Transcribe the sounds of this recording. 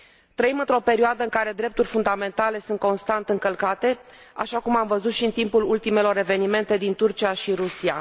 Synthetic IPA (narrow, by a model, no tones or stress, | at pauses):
t̪ɾəimɨnt̪ɾo̞pe̞ɾioad̪əɨŋkaɾe̞d̪ɾe̞p̚t̪urʲfund̪ame̞nt̪ale̞sunt̪̚ko̞nst̪ant̪ɨŋkəlkat̪e̞ | a̰ʃakumamvəzut̪ʃiɨnt̪impulult̪ime̞lo̞ɾe̞ve̞nime̞nt̪e̞d̪int̪urt͡ʃiaʃiɾusia̰